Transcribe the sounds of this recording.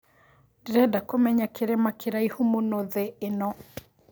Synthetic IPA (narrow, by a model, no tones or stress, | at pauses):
dɾɛdakomɛɲakeɾɛmakeɾaihumonoðeːnɔ